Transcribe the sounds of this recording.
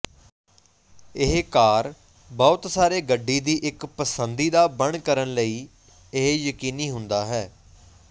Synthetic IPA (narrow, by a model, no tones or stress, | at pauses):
ɪɦkaːɾ | bɔːt̪saːɾeːɡəɖːiːd̪iːʔɪkpəsənd̪iːd̪aːbəɳkəɾəɳləiː | ɪɦjəkiːniːɦʊnd̪aːɦɛː